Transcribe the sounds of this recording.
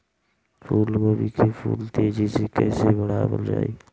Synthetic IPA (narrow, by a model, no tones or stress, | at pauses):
pʰuːlkoːbiːkʰepʰṵːlt̪ʰeːd͡ʒesekəɪsebəɽaːbə̰ld͡ʒa̰ːiː